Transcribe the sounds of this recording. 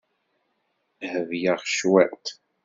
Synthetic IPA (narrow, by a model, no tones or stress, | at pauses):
həvjaʁʃwæt̪